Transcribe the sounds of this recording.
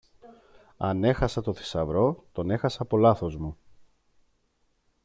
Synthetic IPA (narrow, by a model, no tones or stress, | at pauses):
ɐ̰ne̞xɐsɐt̪o̞θi̥sɐvɾo̞t̪o̞ne̞xɐsɐpo̞lɐθo̞zmu